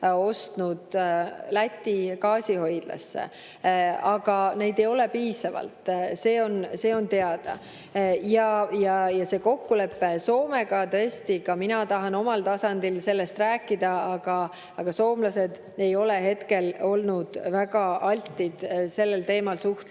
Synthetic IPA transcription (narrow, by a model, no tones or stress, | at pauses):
o̞st̪nud̪̥læt̪ʲːikɑːsʲiho̞jd̪̥lɑ̰sːḛ | ɑɡ̥ɑne̞jd̪e̞jo̞le̞piːsɑvɑ̰lt̪se̞ːo̞nse̞ːo̞nt̪e̞ɑd̪̥ɑ̰ | jɑjɑjɑse̞ːko̞kːule̞pːe̞so̞ːme̞ɡ̥ɑt̪ɤest̪ikɑminɑt̪ɑɦɑno̞mɑlt̪ɑsɑnd̪̥ilse̞lːe̞st̪ræːkːid̪̥ɑɑɡ̥ɑ | ɑɡ̥ɑso̞ːmlɑse̞d̪̥ | e̞jo̞leɦe̞t̪ke̞lo̞lnud̪̥væɡ̥ɑɑlʲt̪ʲːˑid̪̥se̞lːelt̪e̞ːmɑlsuht̪